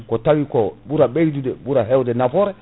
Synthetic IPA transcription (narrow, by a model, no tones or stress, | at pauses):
kɔtawikɔbuɾabeɾdudɛbuɾaɦɛwdɛnafɔɾɛ